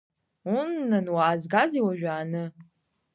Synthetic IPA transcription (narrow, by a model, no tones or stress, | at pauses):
unːɨnwaːzɡaziwaʒᶣaːnɨ